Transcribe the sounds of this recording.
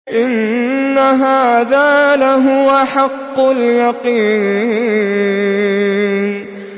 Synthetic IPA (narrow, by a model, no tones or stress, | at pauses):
ʔɪnːaɦaːðaːlaɦʊaħɑqːʊljɑqiː | n